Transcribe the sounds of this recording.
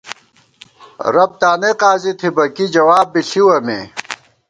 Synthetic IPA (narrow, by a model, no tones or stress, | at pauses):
ɾɐb̚t̪aːneqaːzit̪ʰibɐkid͡ʑɐwaːbːiɬiwɐmḛː